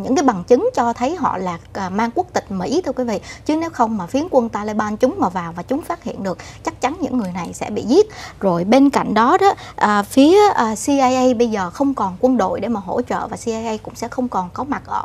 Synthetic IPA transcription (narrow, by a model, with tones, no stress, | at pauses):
ɲɨ̰˧˥ŋkaː˨˦jɓa˨˩ŋt͡ɕɨ˨˦ŋt͡ɕɔ˧t̪ʰə˨˦jɦɔ̰˧˨laː˨˩˨maː˧ŋku˦˥ək̚t̪ï˨˩k̟̚mḭ˧˥t̪ʰɨ˧əkwi˨˦vḭ˧˨t͡ɕɨ˨˦ne˨˦wxə˧wŋ͡mmaː˨˩fi˨˦ənkwə˧nt̪aː˧le˧ɓaː˧nt͡ɕʊ˨˦ŋ͡mmaː˨˩vaː˨˩wvaː˨˩t͡ɕʊ˨˦ŋ͡mfaː˦˥t̚hḭ˧˨ənɗɨ˨˩ək̚t͡ɕa˦˥k̚t͡ɕa˨˦nɲɨ̰˧˥ŋːɨ˨˩əjna˨˩jsɛ̰˧˥ɓḭ˧˨zi˦˥t̚zo˨˩jɓe˧nka̰˧˨jŋ̟ɗɔ˨˦ɗɔ˨˦ʔəː˨˩fi˨˦əʔəː˨˩si˧ʔaː˧jʔə˧jɓə˧jzəː˨˩xə˧wŋ͡mkɔ˨˩nkwə˧nɗo̰˧˨jɗe˧˩maː˨˩ɦo̰˧˥t͡ɕə̰ː˧˨vaː˨˩si˧ʔaː˧jʔə˧jkʊ̰˧˥ŋ͡msɛ̰˧˥xə˧wŋ͡mkɔ˨˩nkɔ˨˦ma˨˩t̚ʔəː˧˩